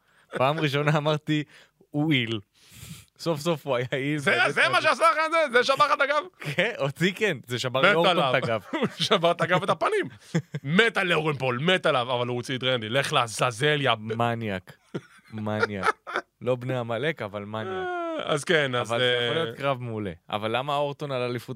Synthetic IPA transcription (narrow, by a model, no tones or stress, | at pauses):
paːmʁiʃo̞naːmaʁt̪i | uil | sofso̞fuajailzezemaʃeasaχenzezeʃabaχat̪aɡavkeot͡sikenzeʃamaʁmeoalavaɡavʃavaʁt̪aɡavet̪apanimmet̪aleoʁenpolmet̪alavavaluot͡sid̪ʁend̪ileχlaazazeljamanjak | manjaklo̞bneamalekavalmanjaa̰zkenazvaljolijotkʁavmeulḛa̰valːamaːoʁt̪onalalifut